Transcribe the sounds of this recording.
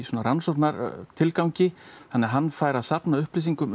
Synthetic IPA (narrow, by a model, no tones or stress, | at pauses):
isɔːnaɾansonaɾt̪ʰɪlkawɲcɪθanːɛɦanːfaːjɾaðsapnaʏhpleːs̬iŋkʏm